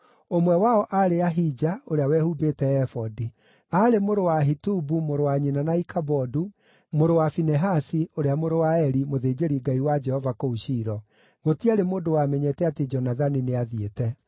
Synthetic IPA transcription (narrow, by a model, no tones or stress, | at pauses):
omwɛwaɔʔaɾeaɦid͡ʒaoɾeawɛhubetɛɛfɔdi | aɾemoɾowaɦitubumoɾowaɲinanaikabɔdu | moɾowafinɛɦasioɾeamoɾowaɛɾimoðeːd͡ʒeɾiɡaiwad͡ʒɛhɔvakouɕiːɾɔ | ɣotiaɾemoːndowamɛɲɛtɛated͡ʒɔnaðanineaðietɛ